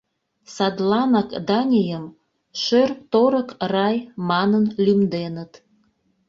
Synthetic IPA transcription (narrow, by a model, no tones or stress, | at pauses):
sɑd̪lɑnɑkd̪ɑnʲijəm | ʃørk̚t̪oɾə̆krɑjmɑnənlʲymd̪enət̪